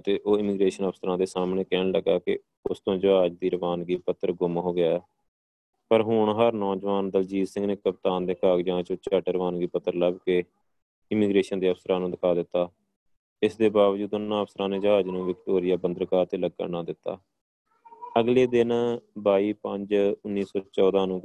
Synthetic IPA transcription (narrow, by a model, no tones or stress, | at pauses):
t̪eːʔoːɪmɪɡɾeːʃənəpsəɾãːd̪eːsaːmɳeːkɛːɳləɡaːkɪ̰ | ʊst̪õːd͡ʒəɦaːd͡ʒd̪iːɾəʋaːnɡiːpət̪ːəɾɡʊmɦoːɡɪaːɛː | pəɾɦʊɳɦəɾnɔːd͡ʒʋaːnd̪əld͡ʒiːsɪ̃ŋɡneːkəp̚t̪aːnd̪eːkaːɡd͡ʒãːt͡ʃõt͡ʃəʈɾəʋaːnɡiːpət̪ːəɾləbkeː | ɪmiːɡɾeːʃənd̪iːəpʰsəɾãːnũːd̪ɪkʰaːd̪ɪt̪ːaː | ɪsd̪eːbaːʋd͡ʒuːd̪ʊnːãːəpʰsəɾãːneːd͡ʒəɦaːd͡ʒnũːʋɪkʈoːɾɪjaːbənd̪əɾkaːɾt̪eːləɡ̚kə̰ɾnaːd̪ɪt̪ːa̰ː | əɡleːd̪ɪnbaːiːpə̃ɲd͡ʒʊnːiːsɔːt͡ʃɔːd̪aːnũː